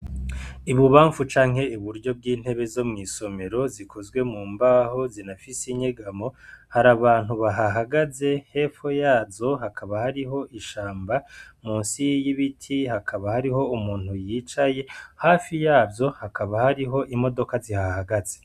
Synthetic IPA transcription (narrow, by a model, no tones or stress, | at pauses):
iβuβaːɱfut͡ʃaːŋ̥he̞uβuɾɟo̞b̚ɡiːn̥he̞βe̞zo̞mŋiːso̞me̞ɾo̞zikʰozɡwe̞muːmbaːho̞zinafisiɲeɡamo̞haɾaβaːn̥huβaɦaɦaɡaze̞he̞ːfojaːzo̞hakaβahaɾiɦo̞ʔiʃaːmbamuːnsijiβitʰihakʰaβahaɾiɦo̞umuːn̥hujit͡ʃaje̞haːfijaːbjo̞hakʰaβahaɾiɦo̞ʔimo̞do̞kazihahaɡaz̥e